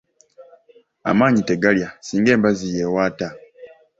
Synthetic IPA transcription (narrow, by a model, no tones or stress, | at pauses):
a̰maːɲite̞ɡaljasiːŋɡe̞ːmbazije̞waːta